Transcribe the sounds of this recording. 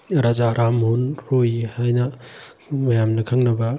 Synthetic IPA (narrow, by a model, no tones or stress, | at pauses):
ɾazaɾʔamɦonɾojhajnɐ | mɐjamnɐkʰɐŋnɐbɐ